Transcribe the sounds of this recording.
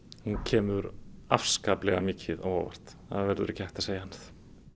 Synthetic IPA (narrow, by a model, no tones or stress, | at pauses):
huncʰɛːmʏɾafskaːplɛɣamɪːcʰɪða̰wɔ̰va̰r̥t̪ | θaðavɛɾðʏ̰ɾɪcʰajht̪aðseːjahanːaθ